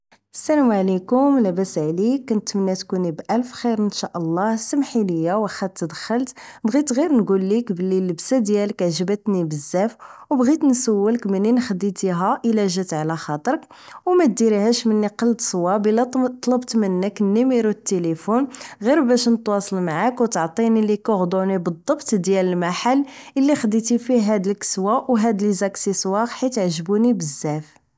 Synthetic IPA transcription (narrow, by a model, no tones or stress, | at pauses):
ʔəsːælæmʕlikʊmlæbæsʕlikːænt̪mənːæt̪kunibʔælfxiɾənʃæʔəlˤːɑhsəmħiləjːawəxæt̪t̪ːd̪əxəlt̪bɣit̪ɣiɾnɡulːikbəlːiləbsæd̪jæləkʕʒəbət̪nibəzːæfwbɣit̪nsəwːələkmənːinxəd̪it̪iɦæʔəlæʒæt̪ʕlæxɑt̪ˤɾək | wmæt̪̚d̪iɾihæʃmənːiqɑld̪sˤwɑbəlːæt̪ˤːlɑbt̪mənːəkənːimiɾwət̪ːelefunɣiɾbæʃnət̪wɑsˤəlmaʕakwt̪ʕt̪ˤinilikæɣd̪ˤunibəd̪ˤːɑbt̪d̪jæləlmaħalːəlːixəd̪it̪ifiɦæd̪əlkə̥swawɦæd̪əlzæksisˤwɑqħit̪ʕʒəbunibəzːæf